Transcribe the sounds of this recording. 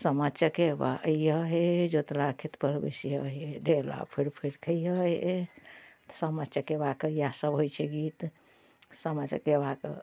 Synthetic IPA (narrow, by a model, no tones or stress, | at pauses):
səmət͡ʃʰəkeba̰ʔjəɦed͡ʒot̪lakʰit̪pəɾbḛsiɦəɦeɖela̰pʰeɾpʰeɾkʰəiəe | t̪səmət͡ʃʰəkebakəɾjasəbɦojt͡ʃʰɛɡit̪ | səmət͡ʃkebakəɾ